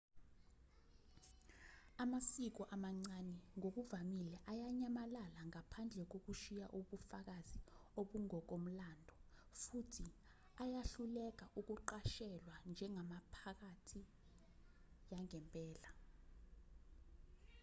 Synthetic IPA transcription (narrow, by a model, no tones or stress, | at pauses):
amasik̬ɔʔamaŋ͡ǀanɛŋok̬uvamilɛʔajaɲamalalaŋapʰand͡ɮʱɛk̬ok̬uʃijaʔuɓufak̬azioɓuŋɔk̬om̩landʱɔfutʰi | ajaɬulɛk̬aʔuk̬uǃaʃɛlwand͡ʒʱɛŋʱamapʰak̬atʰi | jaŋɛmpʼɛːla